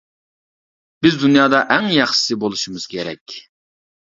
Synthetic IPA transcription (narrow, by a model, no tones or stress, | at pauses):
b̥ɪzd̪unjɑːd̪ɑʔæŋjɑχʃsɨbolˠuʃimɨz̥kʲʰeɾɛ̰kʲ